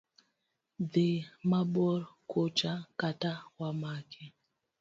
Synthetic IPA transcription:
ðemabɔɾkʰot͡ʃakatawamakʰe

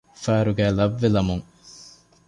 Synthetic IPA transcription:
fæːɾuɡæːlɐʋːelɐmuŋ

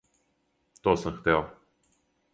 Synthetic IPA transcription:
t̪osəmxt̪ɛlˠ

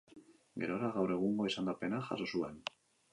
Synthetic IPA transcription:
ɡe̞̰ɾoɾaɣawre̞ɣ̞uŋɡo̞isand̪ape̞naxa̰so̞sue̞n

